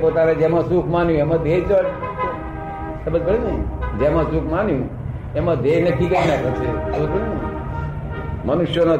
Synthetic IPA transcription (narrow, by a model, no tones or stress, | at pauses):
pot̪anad͡ʒemãsukʰmanjũemãd̪ʱet͡ʃɔʈ | səbəd̪̚kəɽinəd͡ʒemãsukʰmanjũ | emãd̪ʱejnəkʰiɡəɾinapəɾt͡ʃʰesəb̪kəɽnə | mənuʃjona